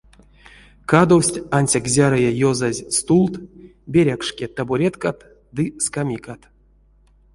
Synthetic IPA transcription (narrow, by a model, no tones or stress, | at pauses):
kad̪owsʲtʲanʲsʲakzʲaɾajajozazʲst̪ulˠt̪ | bʲeɾʲakʂkʲet̪abuɾʲet̪kat̪ | d̪ɨskamʲikat̪